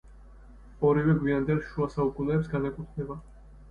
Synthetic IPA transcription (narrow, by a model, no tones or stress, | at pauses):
ɔɾivɛɡwiand̪ɛlˠʃuasaukʼunɛːpsɡanɛkʼut̪ʰnɛba